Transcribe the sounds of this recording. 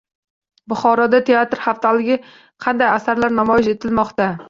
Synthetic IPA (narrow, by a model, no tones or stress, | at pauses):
bʊχɒɾɒd̪at̪ʰe̞at̪ɾhaft̪ʰalɪɡʲɪ | qʰɑnd̪ajasaɾlaɾnamɒjɪʃe̞t̪ʰɪlmɒqt̪a